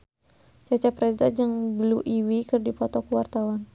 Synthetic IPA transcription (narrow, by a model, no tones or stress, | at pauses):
t͡ʃat͡ʃapɾɛdad͡ʒəŋbəluʔiwikɨrdipɔt̪ɔkuwart̪awan